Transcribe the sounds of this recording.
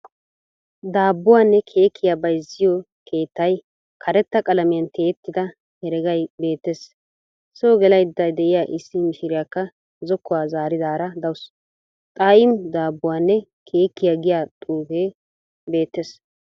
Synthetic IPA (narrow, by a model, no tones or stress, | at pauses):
d̪aːbːʊwaːnːɛkʰe̞ːkʰːɪjaːbɐjzɪjɔ | kʰe̞ːt̪ːɐj | kʰɐɾɛt̪ːɐkʼɐlɐmɪjɐnt̪e̞ːt̪ːɪd̪ɐ | hɛɾɛɡɐjbe̞ːt̪ːes | soːɡɛlɐjd̪ɐjd̪ɛʔɪjaːʔɪsːɪmɪʃɪɾɪjakːɐ | zɔkːɔwaːzaːɾɪd̪aːɾɐd̪ɐws | t̪ʼaːjɪmd̪aːbːʊwaːnːɛ | kʰe̞ːkːɪjaɡɪjaːt̪ʼuːfeː | be̞ːt̪ːes